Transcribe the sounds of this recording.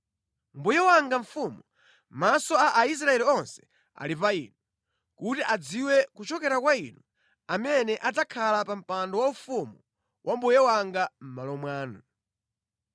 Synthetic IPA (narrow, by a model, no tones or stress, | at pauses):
mbujɛwaŋɡaɱ̩fumu | masɔaʔais̬ɾaɛliɔnsɛ̥ | a̰lipaḭːnu | kutiʔad͡ziwɛkut͡ʃɔkɛɾakwainu | amɛnɛʔad͡zakʰalapam̩pandɔwaufumu | wʔambujɛwaŋɡam̩malɔmwaːnu